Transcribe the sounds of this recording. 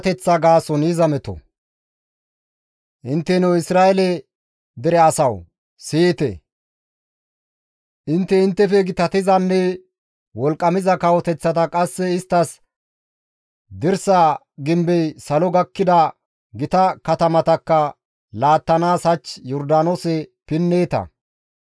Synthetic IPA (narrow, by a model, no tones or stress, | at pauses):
t̪ɛt͡sːɐɡaːsɔnizɐmɛt̪ɔ̰ | ʔɪnt̪ːɛnɔwɪsɾaːɛlɛ | d̪ɛɾɛɐsɐw | siːt̪ɛ̰ | ʔɪnt̪ːɛɪnt̪ːɛfɛɡɪt̪ɐt̪ɪzɐnːɛ | wɔlkʼːɐmɪzɐkɐwɔt̪ɛt͡sːɐt̪ɐkʼɐsːɛɪst̪ːɐs | d̪ɪɾsa | ɡɪmbɛjsɐlɔɡɐkːɪd̪ɐ | ɡɪt̪ɐkɐt̪ɐmɐt̪ɐkːɐ | laːt̪ːɐnaːsɐt͡ʃːjɔɾd̪aːnosɛpɪnːeːt̪ɐ̰